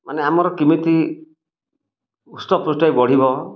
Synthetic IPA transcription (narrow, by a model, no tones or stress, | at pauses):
maneamɔɾɔkimit̪i | ustɔpɾusʈajbɔɽ̤iβɔ